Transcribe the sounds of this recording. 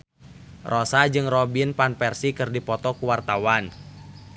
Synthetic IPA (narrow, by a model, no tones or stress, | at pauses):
rʔɔsad͡ʒɨŋrɔbinpanpɛrsikɨrdipɔt̪ɔkuwart̪awan